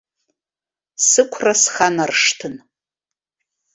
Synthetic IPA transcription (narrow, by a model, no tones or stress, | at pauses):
sɨkʷʰrasχanarʂtʰɨn